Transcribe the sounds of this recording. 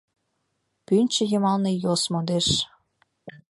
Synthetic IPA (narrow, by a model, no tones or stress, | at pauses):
pynʲt͡ɕə̆jəmɑlnejosmod̪eʃ